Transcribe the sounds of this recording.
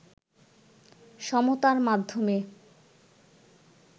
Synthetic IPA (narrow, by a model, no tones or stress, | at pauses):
ʃɔmot̪aɾmad̪ʱːome